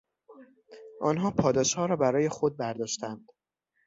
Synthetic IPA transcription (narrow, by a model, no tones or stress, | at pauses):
ʔɒ̰ːnɦɒːpʰɒːd̪ɒːʃhɒːɾɒːbæɾɒːje̞xod̪̚bæɾd̪ɒːʃt̪ænd̪̥